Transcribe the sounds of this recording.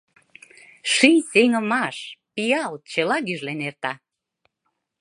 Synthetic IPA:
ʃijʲseŋə̆mɑʃpijɑlt͡ɕəlɑɣyʒlenert̪ɑ

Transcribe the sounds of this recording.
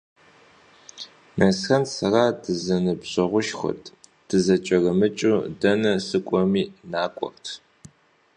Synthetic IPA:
nɐsxɐnsɐraːdɨzɐnɨbɕʼɐʁʷʊʃxɐ̰tʰd̥ɨzɐt͡ʃʼɐrɐmɨt͡ʃʼudɐnɐsɨkʷʼɔmiːnaːkʷʼɔ̰rtʰ

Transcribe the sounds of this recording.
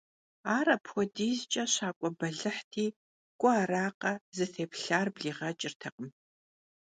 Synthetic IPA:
aːɾɐpxʷɔdiːzt͡ʃʼɐɕaːkʷʼɔbɐɮɨħtʰiː | kʷʼʊaːɾaːqɐzɨθeːpɬaːrbɮiːʁɐt͡ʃʼɪrtʰɐqʼəm

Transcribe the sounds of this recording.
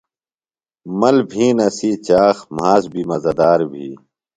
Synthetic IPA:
mɐlbʱĩːnɐsiːt͡ɕaːxmaːzbiːmɐzɐd̪aːɾbʱiː

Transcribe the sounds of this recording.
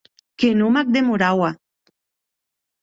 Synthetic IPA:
kenumak̚d̪emuɾawa

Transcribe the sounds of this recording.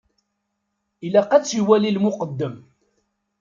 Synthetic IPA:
ilæqæt͡sːiwælilmʊqəd̪ːəm

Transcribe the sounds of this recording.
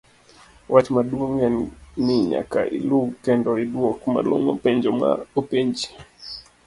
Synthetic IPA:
wʔatmaduoŋɛnnɪɲa̰ka̰ʔḭluɡkɛndɔidwɔkma̰lo̰ŋo̰pɛɲd͡ʒɔma̰opeɲd͡ʒi

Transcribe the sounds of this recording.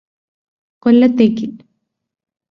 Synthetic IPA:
kolːɐt̪ːeːkːil

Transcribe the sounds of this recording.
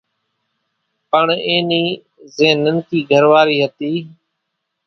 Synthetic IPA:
pəɳẽːniː | zẽːnənkiːɡʱəɾʋaːɾiːɦət̪iː

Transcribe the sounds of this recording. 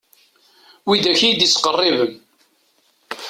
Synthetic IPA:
wid̪æçijd̪isqərˤːɪvəm

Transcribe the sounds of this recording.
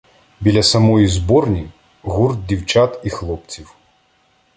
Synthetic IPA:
bʲilʲɐsɐmɔjizbɔrnʲi | ɣurd̪̚dʲiwt͡ʃat̪ixlˠɔp̚t͡sʲiw

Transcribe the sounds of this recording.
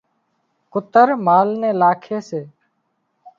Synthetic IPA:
kʊt̪əɾmaːlneːlaːkʰeːseː

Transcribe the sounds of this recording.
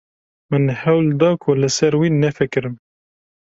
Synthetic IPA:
mənhæwld̪ɑːkʰʊləsɛɾwiːnɛfɨkɾɨm

